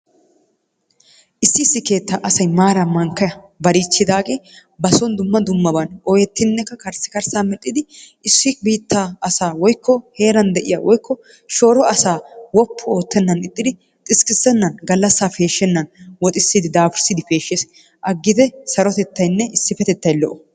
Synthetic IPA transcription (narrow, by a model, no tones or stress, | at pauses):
ʔɪsːɪɪsːɪke̞ːt̪ːaːʔɐsɐjmaːɾɐmɐŋkːɐjɐ | bɐɾiːt͡ʃːɪd̪aːɡe̞ːbɐsɔnd̪ʊmːɐd̪ʊmːɐbɐnɔjɛt̪ːɪnːɛkːɐkɐɾsːɪ̥kɐɾsaːmɛᶑʼːɪd̪ɪ | ɪsːɪbiːt̪ːaːɐsaːwɔjkːɔhe̞ːɾɐnd̪ɛʔɪjɐwɔjkːɔ | ʃo̞ːɾɔɐsaːwɔpːɔo̞ːt̪ːɛnːɐnɪt̪ʼːɪd̪ɪ | t̪ʼɪskɪsːɛnːɐnɡɐlːɐsːaːfe̞ːʃːɛnːɐnwɔt̪ʼɪsːɪd̪ɪd̪aːfɪɾsɪd̪ɪfe̞ːʃːeːs | ʔɐɡːɪt̪ɛsɐɾɔt̪ɛt̪ːɐjnːɛʔɪsːɪfɛt̪ɛt̪ːɐjlɔʔɔ